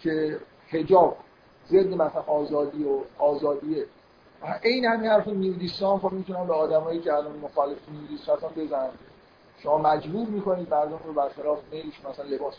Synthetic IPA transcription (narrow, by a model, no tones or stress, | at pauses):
cʰe̞ | he̞d͡ʒɒːb̚ | zed̪ːimæsænɒːzɒːd̪iːoɒːzɒːd̪ie | ʔejnehæminhæɾfɔnijud̪ist̪ɒːnfɒmit̪ʰunæmbeɒːd̪æmɒːjiːceælɒːnmoxɒlefenijud̪isæɾt̪ɔmbe̞zænæn | ʃomɒːmæd͡ʒbuːɾmiːko̞niːd̪mæɾd̪omɾobæɾxe̞lɒːfemejleʃunæsænle̞bɒːs